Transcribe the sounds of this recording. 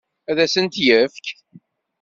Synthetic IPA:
æðæsənt̪jəfk

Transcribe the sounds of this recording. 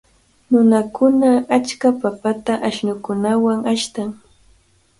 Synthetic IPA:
nʊnakʊnaat͡ʃkapapat̪aʔaʃnʊkʊnawaŋaʃt̪aŋ

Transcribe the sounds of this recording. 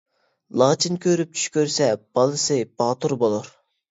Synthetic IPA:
lˠɑːt͡ʃʰinkʲʰøɾyp̚t͡ʃʰy̥ʃkʲøɾsɛb̥ɑlˠɨsɨb̥ɑːt̪uɾbolˠuɾ

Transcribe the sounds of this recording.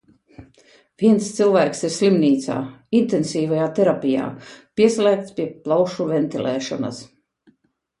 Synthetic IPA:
viɛnst̪silˠvæːksiɾslimniːt̪sa̰ːint̪ɛnsiːvajaːt̪eɾapʲija̰ːpʲiɛslʲæːk̚t̪spʲiɛplˠawʃuvɛnt̪ilˠʔɛːʃɔ̰na̰s

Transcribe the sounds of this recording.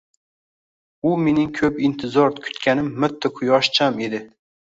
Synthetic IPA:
ʊme̞nɪŋkʰɵpɪnt̪ʰɪzɒɾkʲʰʊ̥t̪kʲʰanɪmːʊt̪ʰːɪqʰʊjɒʃt͡ʃʰame̞d̪ɪ

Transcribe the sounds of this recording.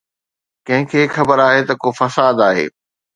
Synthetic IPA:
kɐ̃ɦɪ̃kʰeːxɐbəɾaːɦet̪ɐkofɐsaːd̪aːɦḛː

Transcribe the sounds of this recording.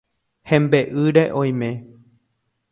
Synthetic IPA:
hẽmbeʔɨɾeʔõj̃mẽ

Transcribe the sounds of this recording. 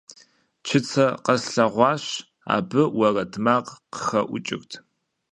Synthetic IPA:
t͡ʃʰɪt͡sʰɐqɐsɬɐʁʷɑːɕ | a̰ːbɨwɐrɐtʰmaːqqə̥xɐʔʷʊ̰t͡ʃʼɪ̰xtʰ

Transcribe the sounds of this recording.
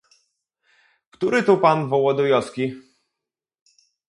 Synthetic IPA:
kt̪uɾɘt̪upanvɔwɔd̪ɔjɔskʲi

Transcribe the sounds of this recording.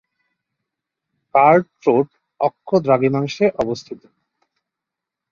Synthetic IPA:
kaɾɖ | ɾoʈ | ɔkʰːod̪ɾaɡimaŋʃeʔɔbost̪ʰit̪o̥

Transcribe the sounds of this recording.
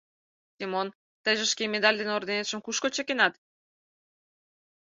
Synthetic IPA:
sʲimon | t̪əjʒə̆ʃkemed̪ɑlʲd̪enord̪enet̪ʃə̆mkuʃkot͡ɕəkenɑt̪

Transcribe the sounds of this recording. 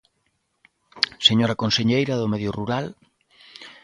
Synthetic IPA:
seɲoɾakonseɲejɾɐðʊmeðjʊruɾal

